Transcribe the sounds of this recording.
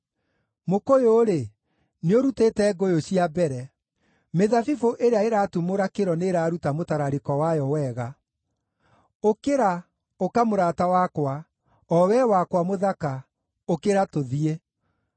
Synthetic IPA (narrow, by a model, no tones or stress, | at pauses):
mokojoːɾe | neoɾutetɛːɡojoɕiabɛɾɛ | meðafifoʔeɾeaeɾaːtumoɾakeɾɔneɾaːɾutamotaɾaɾekɔwajɔwɛːɣa | okeɾa | okamoɾaːtawakwa | ɔwɛwakwamoðaka | okeɾatoðie